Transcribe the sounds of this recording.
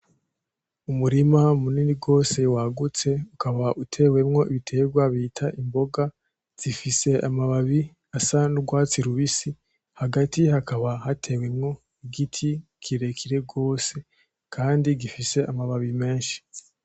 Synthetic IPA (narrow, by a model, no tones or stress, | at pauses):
umuɾimamuniːniɡo̞ːse̞waɡut͡se̞ukʰaβaʔutʰe̞we̞mŋo̞iβitʰe̞ːɡwaβitʰaʔimbo̞ɡa | z̥ifise̞ʔamaβaβi | asanuɡwaːt͡siɾuβisi | haɡatihakaβahatʰe̞we̞mŋo̞ | iɡitʰi | kʰiɾe̞kʰiɾe̞ɡo̞ːse̞ | kʰaːndiɡifise̞amaβaβime̞ːʃi̥